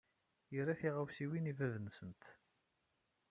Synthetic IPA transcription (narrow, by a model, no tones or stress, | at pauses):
jəɾæθiʁəwsiwinivæðənsənt̪